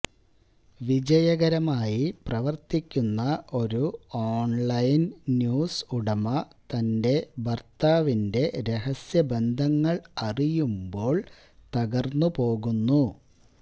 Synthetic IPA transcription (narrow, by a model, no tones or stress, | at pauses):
ʋid͡ʑɐjɐɣɐɾɐmaːjiprɐʋɐrt̪ikʲːunːɐo̞ɾuoːɳɭɐjnːjuːsuɽɐmɐ | t̪ɐnde̞bɐrt̪aːʋinde̞ɾe̞ɦɐsjɐbe̞nd̪ʱɐŋːɐɭɐrijumbo̞ːɭ | t̪ɐɣɐrnːupo̞ːɣunːu